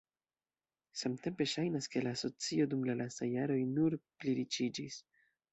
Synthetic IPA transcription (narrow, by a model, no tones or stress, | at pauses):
samte̞mpe̞ʃajnaske̞laːso̞t͡sio̞dumlalastajːaɾo̞jnuɾpliɾit͡ʃid͡ʒis